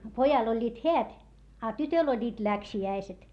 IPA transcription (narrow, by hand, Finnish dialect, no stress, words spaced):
pojɑl olʲːiːt heæt ɑ tytøl olʲːiːt læksiæiset